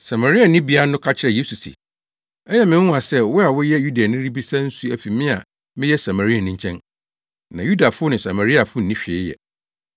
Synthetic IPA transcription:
sa˨ma˨ɾi˦a˨nɪ̃˦bi˦a˦nʊ̃˦kʰa˦t͡ɕʰɪ˦ɾɛ˨je˦su˨sḭ˨ | ɛ˦jɛ˦mɪ̃˨˦ã˨sɛ˦wʊ˦a˨wʊ˦jɛ˦ju˦di˨a˨nɪ̃˦ɾi˦bi˦sã˦n̩˦su˦æ˨fi˨mɪ̃˦a˨ | mɪ̃˦jɛ˦sa˨ma˨ɾi˦a˨nɪ̃˦ɲ̩˦t͡ɕʰɛ̃˦n | nã˨ju˦da˨fʊ˦ʊ˦nʊ̃˨sa˨ma˨ɾi˦a˨fʊ˦n̩˨nĩ˦ɕᶣe˨˦jɛ̰˨

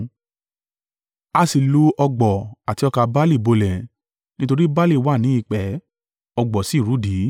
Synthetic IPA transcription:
a˧si˧lu˦ʔɔ˧ɡ͡bɔ˨a˨ti˧˦ɔ˧ka˧ba˦li˦˨bo˧lɛ̃˨ | nĩ˦to˧ɾi˦ba˦li˦˨wa˦˨nĩ˨˦i˦˧˨k͡pɛ˨˦ | ɔ˧ɡ͡bɔ˨si˨˦˨ɾu˨˦di˨˦

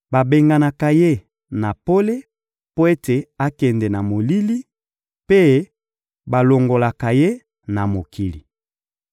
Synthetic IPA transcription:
ba˨be˨ŋɡa˨na˨ka˨je˦˨ | na˨po˦le˦ | po˦e˦te˨a˦kɛ˨ndɛ˨na˨mo˨li˦li˦ | pe˦ | ba˨lo˨ŋɡo˨la˨ka˨je˦ | na˨mo˨kʰi˨li˨

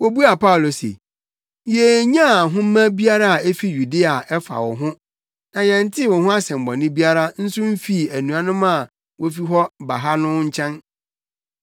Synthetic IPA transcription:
wo˨bu˦a˨pa˦ʊ˨lo˨sḛ˨ | je˨ɲã˦˨ɦʊ̃˦m˦mːæ̃˦bi˦a˦ɾa˦a˨e˦fi˦ju˨de˦a˨ɛ˦fa̰˨wɔ̰˨ɦʊ̃˦ | nã˨jɛ̃˨n̩˦tʰɪ˦˨wɔ̃˨hʊ̃˦a˦sɛ̃˨m̩˨bɔ̃˨nɪ̃˦bi˦a˦ɾa˦n̩˦sʊ˦m̩˦fi˦˨æ˨nũ˨a˨nʊ̃˦mã˦˨ | wʔo˦fi˦ɦɔ˦ba˨ɦa˦nʊ̃˦ɲ̩˦t͡ɕʰɛ̃˦n

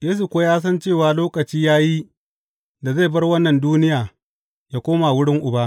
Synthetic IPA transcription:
jeː˦s̬u˨kʷoː˦jaː˦s̬ɐ˦nt͡ʃeː˦˨waː˨loː˦kɐ˨t͡ʃiː˦jaː˦ji˦ | da˨za˦˨bɐ˦rwɐ˦nːɐ˨nduː˦nɪ˦jaː˨ | jaː˦kʷoː˦ma˨wʊ˦ɽɪ˦ŋʔʊ˨ba˦ʔ

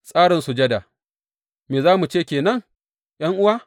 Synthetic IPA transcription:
sʼaː˦ɽɪ˨nsu˨d͡ʒɐ˦da˨ | meː˨zaː˦mu˨t͡ʃeː˦˨kʲeː˨nɐ˦ŋ | j̰ɐ˦ŋʔʊ˦waː˦

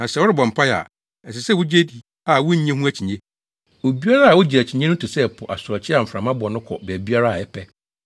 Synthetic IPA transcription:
nã˨sɛ˦wʊ˦ɾɪ˦bɔ̃˨m̩˨pʰa˦ja̰˨ | ɛ˨s̬ɪ˨sɛ˦wʊ˦d͡ʑe˦di˨ | a˨wʊ˦ɲ̩˦ɲɛ̃˦ɦũ˦æ˦t͡ɕʰi˨ɲɛ̃˦ | o˨bi˦a˦ɾa˦a˨wʊ˦d͡ʑi˨ɾæ˨t͡ɕʰi˨ɲɛ̃˦nʊ̃˦tʰʊ˨sɛ˦˨pʰʊ˨ʔa˨sʊ˨ɾɔ˨t͡ɕʰɪ˦a˨m̩˨fɾã˨mã˦bʊ˨ɔ˨nʊ̃˦kʰɔ̰˨bɛː˨bi˦a˦ɾa˦a˨ɛ˦pʰɛ˦

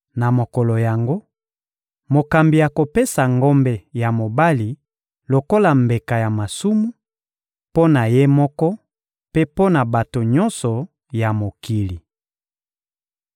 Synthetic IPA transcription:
na˨mo˨kɔ˨lo˨ja˨ŋɡo˦ | mo˨ka˨mbi˨ja˨ko˨pe˦sa˨ŋɡɔ˦mbɛ˨ja˨mo˨ba˦li˨ | lo˨ko˦la˨mbe˨ka˨ja˨ma˨su˦mu˦ | po˦na˨je˦mɔ˦kɔ˦ | pe˦po˦na˨ba˨to˨ɲɔ˦nsɔ˨ | ja˨mo˨ki˨li˨

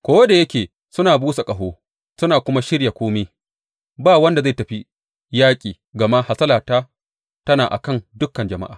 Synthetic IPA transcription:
kʷoː˦da˨jɐ˦kʲeː˨ | sʊ˦naː˨buː˦sa˨kʼɐ˨ɦoː˦ | sʊ˦naː˨kʷʊ˦ma˦ʃɪ˦ɽja˨kʷoː˦meː˦ | baː˦˨wɐ˦nda˨za˦˨tɐ˨ɸi˦ | jaː˦kʲʼiː˨ | ɡɐ˨ma˦ha˨sɐ˦laː˨taː˦ | tɐ˦naː˨ʔa̰˨kɐ˦˨ndʊ˦kːɐ˨nd͡ʒɐ˨ma̰˦ʔaː˨

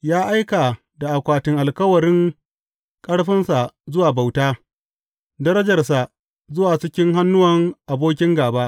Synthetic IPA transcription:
jaː˦ʔa˦jka˨ | da˨ʔa˨kʷaː˨tɪ˨ŋʔa˨lkɐ˦wɐ˨ɾɪ˦ŋ | kʼɐ˦ɽɸɪ˦nsa˨zʊ˦waː˨ba˨wtaː˦ | dɐ˦ɾɐ˦d͡ʒɐ˨rs̬a˨ | zʊ˦waː˨t͡ʃɪ˦kʲɪ˦ŋɦa˦nːʊ˦wɐ˨ŋʔa˨boː˦k̬ʲɪ˦ŋɡaː˨baː˦ʔ

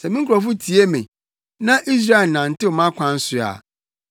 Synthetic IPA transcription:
sɛ˨mĩ˦ŋ̩˦kʰʊ˨ɾɔ˨fʊ˦tʰi˨˦e˦mḛ̃˨ | nã˦ʔi˦s̬ɾa˦e˨nã˨n̩˨tɪ˦ɔ˨mã˦kʷʰã˦n̩˦sʊ˨a̰˨

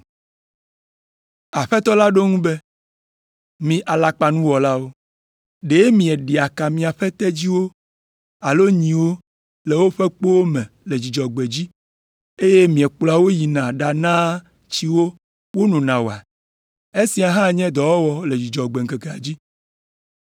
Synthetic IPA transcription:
a˨ɸɛ˦t̪ɔ˦la˦ɖo˦ŋũ˦bɛ˦ | mĩ˨ʔa˨la˨k͡pa˨nũ˦wɔ˨la˦wo˦ | ɖe˨˦mĩ˨ɛ˨ɖi˨a˨ka˨mĩ˨a˨ɸɛ˦t̪ɛ˦d͡ʑi˦wo˦ | a˨lo˦ɲĩ˨wo˦ | le˨wo˦ɸe˦k͡po˦wo˦mɛ̃˨le˨d͡ʑi˨d͡ʒɔ˨ɡ͡be˨d͡ʑi˦ | e˦je˦mĩ˨ɛ˨k͡pla˨wo˦ji˨nã˨ɖa˨nã˦ | t͡ɕi˦wo˦ | wo˦nũ˨nã˨wo˨a˨ | e˦si˨a˨ɦã˦˨ɲɛ̃˦d̪ɔ˨wɔ˦wɔ˦le˨d͡ʑi˨d͡ʒɔ˨ɡ͡be˨ŋ̩˨ke˨ke˨a˨d͡ʑi˦

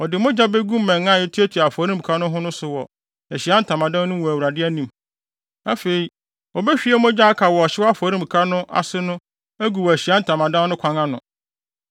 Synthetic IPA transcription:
ɔ˨dɪ˨mʊ̃˦d͡ʑa˦be˦ɡũ˦m˦mɛ̃˨ŋã˦˨ɛ˦tʰi˦æ˦tʰi˨a˨fɔ˨˦ɾĩ˦m˨bkʰa˦nʊ̃˦ɦʊ̃˦nʊ̃˦sʊ˨wɔ˨ | æ˨ɕi˨a˦n̩˦˨tʰã˨mã˨dã˦n˦nʊ̃˦wɔ˨æ˨wu˨ɾa˨dɪ˦æ˦nĩ˨m | a˦fe˨i˨ | ɔ˨bɛ˦ɕᶣi˨˦ɛ˦mʊ̃˦d͡ʑa˦a˦kʰa˨wɔ˨ɔ˨ɕɪ˦wa˦fɔ˨˦ɾĩ˦m˨kʰa˦nʊ̃˦ʔa̰˨sɪ˦nʊ̃˦ | æ˦ɡu˨wɔ˨æ˨ɕi˨a˦n̩˨tʰã˨mã˨dã˦nnʊ̃˦kʷʰã˦ŋã˦nʊ̰̃˨

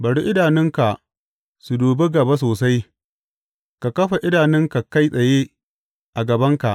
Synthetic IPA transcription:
bɐ˨ɽi˦ʔɪ˦daː˨nɪ˦ŋka˨ʔ | su˨duː˨be˦ɡɐ˨ba˦s̬oː˨sa˦j | ka˨kɐ˦ɸa˨ʔɪ˦daː˨nɪ˦ŋka˨ka˦jsʼɐ˨je˦ | ʔa˨ɡɐ˨bɐ˦ŋka˨ʔ

